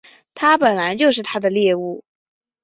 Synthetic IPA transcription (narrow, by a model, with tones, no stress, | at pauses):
t̪ʰa˥pə˨˩nla˧˥ɪt͡ɕjo˥˧ʊʂ̬ɻ̩˥˩t̪ʰa˥d̪ə˨ljɛ˥˧u˥˩